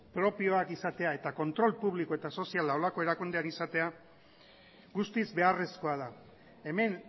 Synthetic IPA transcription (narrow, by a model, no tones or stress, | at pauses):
pɾo̞pio̞akisat̪e̞ae̞t̪ako̞nt̪ɾo̞lpuβliko̞e̞t̪aso̞sialao̞lako̞e̞ɾakund̪eanisat̪e̞a | ɡust̪izbe̞are̞sko̞að̞a | e̞me̞n